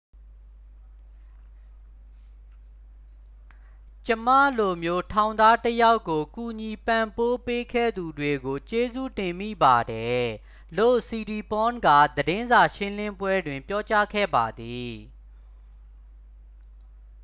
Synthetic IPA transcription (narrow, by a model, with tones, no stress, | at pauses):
t͡ɕə˦m̥ä̰˦˨lo˨mjo˦tʰã˨ʊ̃nd̪a˦təja˦ʊkːo˨ku˨ɲi˨pã˨mpo˦pe˦kʰɛ̰˦˨d̪u˨dwe˨ɡo˨t͡ɕe˦zṵ˦˨tɪ̃˨mḭ˦˨ba˨dɛ˨ | lo̰˦˨si˨ɾi˨pɔ̃˦nɡä̰˦˨d̪əɾɪ̃˦nza˨ʃɪ̃˦lɪ̃˦mbwɛ˦dwɪ̃˨mpjɔ˦t͡ɕa˦kʰɛ̰˦˨ba˨d̪i˨